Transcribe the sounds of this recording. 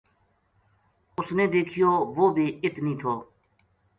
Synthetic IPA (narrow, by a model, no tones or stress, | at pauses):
ʊsneːd̪eːkʰɪjoːʋoːbʱiːɪt̪nĩːt̪ʰoː